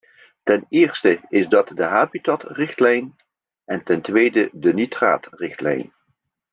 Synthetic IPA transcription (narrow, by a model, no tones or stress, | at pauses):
tɛnɪːɹstəɪzdɑtdəɦaːbitɑtrɪχtlɛjn | ʔɛntɛntʋejdədənitra̰ːtrɪχtlɛ̰jn